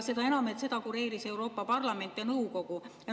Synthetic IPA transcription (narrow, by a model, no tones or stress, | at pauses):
se̞d̪ɑe̞nɑmet̪se̞d̪̥ɑkuɾe̞ːɾise̞uɾo̞ːpːˑɑpɑrlɑme̞nt̪ːˑjɑnɤwko̞ɡ̥u